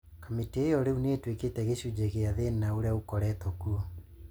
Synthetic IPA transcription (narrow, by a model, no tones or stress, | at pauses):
kamiteejɔɾeuneːtweketɛɣeɕud͡ʑeɣeaðennaoɾjaukɔɾɛtɔkuɔ